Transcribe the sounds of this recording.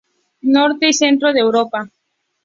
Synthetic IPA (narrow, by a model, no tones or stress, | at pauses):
noɾt̪eisent̪ɾoðewɾopa